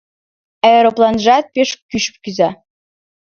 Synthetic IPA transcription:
æɾoplˠɑnʒɑt̪̚pʲeʃkyʃp̚kyzæ

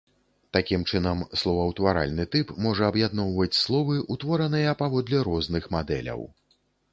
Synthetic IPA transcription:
t̪akʲimt͡ʂɨnɐmslˠɔvɐwt̪vaɾa̰lʲnɨt̪ɨpmɔʐɐːbjad̪nɔwvɐt͡sʲslˠɔvɨʔut̪vɔɾɐnɨjɐpavɔd̪lʲɛɾɔznɨxmad̪ɛ̰lʲɐ̰w

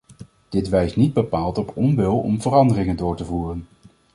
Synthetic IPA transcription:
d̥ɪtʋɛjstnid̚bəpaːlˠtɔpʰɔmʋɪlˠɔ̰mvərɑndərɪŋəndʊːɹtəvuːrən

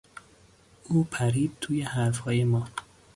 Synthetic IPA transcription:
uːpʰæɾiːd̪̚t̪ʰuːjehæɾfhɒːjemɒː

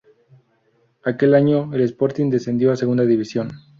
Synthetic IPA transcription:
ake̞laɲo̞elespo̞ɾt̪ind̪e̞se̞nd̪jo̞aseɣund̪aðiβisjo̞n

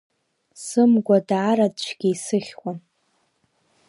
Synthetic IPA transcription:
sɨmɡʷadaːɾadt͡ʃʷʰɡʲiisɨχʲwʷʼa

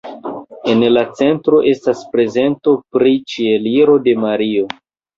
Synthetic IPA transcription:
e̞nlat͡se̞ntɾo̞ʔe̞staspɾe̞ze̞nto̞pɾit͡ʃie̞liɾo̞de̞maɾio̞

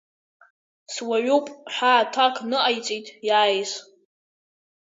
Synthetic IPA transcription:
swaʕupʼħʷaːtʰakʰnɨʔajt͡sʼitʼjaːjs

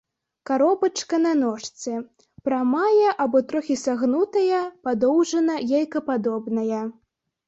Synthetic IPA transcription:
kaɾɔbɐt͡ʂkɐnɐnɔʂt̪sɛ | pɾamajɐʔabɔt̪ɾɔxʲisaɣnut̪ɐjɐpad̪ɔwʐɐnɐjajkɐpad̪ɔbnɐjɐ

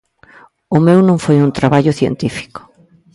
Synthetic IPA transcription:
ʊmewnõŋfojunt̪ɾaβaʎʊθjḛnt̪ifi̥kʊ̥

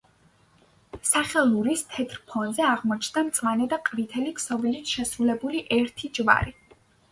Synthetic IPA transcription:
saχɛlˠuɾist̪ʰɛt̪ʰɾpʰɔnzɛaʁmɔt͡ʃʰnd̪amt̪sʼlanɛd̪aqʼvit̪ʰɛlikʰsɔvilit̪ʰʃɛsɾulɛbuliʔɛɾt̪ʰid͡ʒva̰ɾi

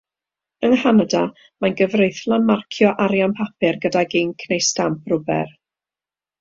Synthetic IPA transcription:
ənhanada | manɡəvrejθlˠanmarkʰjɔʔaɾjanpʰapʰɪrɡədaɡiːnkʰnejstamp̚ʰrʊbɛ̰r

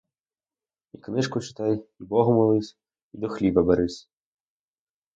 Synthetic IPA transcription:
iknɨʂkut͡ʃɨ̥t̪ajibɔɣumalˠɨsʲ | id̪uxlʲivɐbɐɾɨsʲ

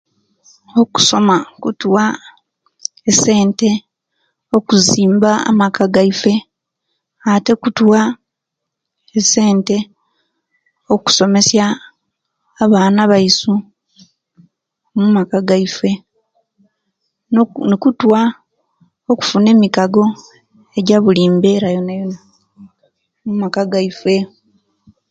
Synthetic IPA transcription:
oku̥so̞makutwa | ese̞ːnte̞ | o̞kuziːmbaa̰makaɡaife̞ | ate̞kutwa | ese̞ːnte̞ | o̞ku̥so̞me̞sjaː | βaːnaβaisu | mumakaɡaife̞ | nnekutwa | oku̥fune̞ːmikaɡo̞ | e̞ɟaβuliːmbe̞ɾajonajona | mumakaɡaife̞

